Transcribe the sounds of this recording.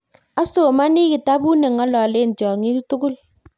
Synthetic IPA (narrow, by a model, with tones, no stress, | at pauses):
a˦so˨ma˦nɪ˦kɪ˨ta˦bu˦nɛ˨ŋɔ˦lɔ˨le˦˨n˨tjɔ˨ŋi˦tu˦ɡʊ˦l